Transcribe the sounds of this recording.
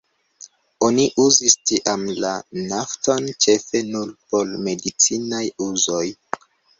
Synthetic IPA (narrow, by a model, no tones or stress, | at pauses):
o̞niʔuzistiʔamlanaftont͡ʃe̞fe̞nuɾpo̞lme̞dit͡sinajuzo̞j